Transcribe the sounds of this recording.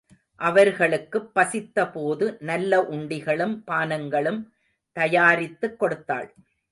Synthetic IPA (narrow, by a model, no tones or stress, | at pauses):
ʔɐʋɐɾɣɐɭɯkːɯpːɐsɪt̪ːɐpoːðɯnɐlːɐʔʊɳɖɪɣɐɭɯmpaːnɐŋɡɐɭɯm | t̪ɐjaːɾɪt̪ːɯkːɔɽɯt̪ːa̰ːɭ